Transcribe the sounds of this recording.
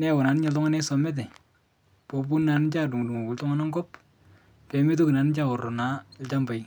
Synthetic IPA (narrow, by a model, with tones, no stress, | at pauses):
nɛ˦˨wɔ˨na˨nɪ˦ɲɔ˨ltɔ˦ŋa˦ne˦sɔ˨mɛ˦t̬ɛ˨ | po˨p̬u˦nːa˨nɪ˦t͡ʃa˦du˨ŋ˨du˨ŋu˨ku˨ltɔ˦ŋa˦nɔ˦ŋɡɔ˦p̚ | kɛ˨mi˦t̬u˦ki˨na˨nɪ˦t͡ʃa˦ɔ˨rɔ˨na˨˦lt͡ʃa˦mba˨j